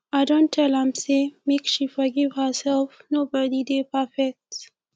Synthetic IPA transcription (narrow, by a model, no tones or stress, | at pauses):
adõntʰːɛlãmsemekʃifəɡɪvhəsɛlfnobədid̪epʰəfɛk̚t